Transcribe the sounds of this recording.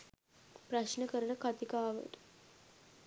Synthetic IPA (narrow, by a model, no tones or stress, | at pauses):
pɾaɕnəkəɾəɳəkʰat̪ikaːʋə̰t̪